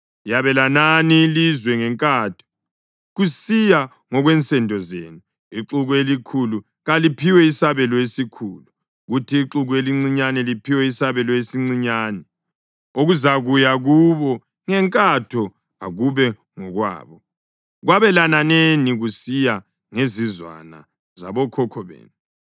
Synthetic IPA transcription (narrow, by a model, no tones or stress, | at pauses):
jaβɛlananiːlizwɛŋɛŋkʼaːtʰɔ̥ | ɣusija | ŋɔɣwɛnt͡sʼɛndʱɔzḛnu | iǁuɣuelikʰulu | ɣalipʰiwɛisaβɛlɔesikʰulu | ɣutʰiːǁuɣueliŋ͡ǀiɲanɛlipʰiwɛisaβɛlɔesiŋ͡ǀiɲaːnɛ | oɣuzaɣujaɣuβɔ | ŋɛŋkʼatʰɔ | aɣuβɛ | ŋɔɣwa̰ːβɔ | ɣwaβɛlananeniɣusija | ŋezizwa̰na̰ | za̰βɔkʰɔkʰɔβḛːnu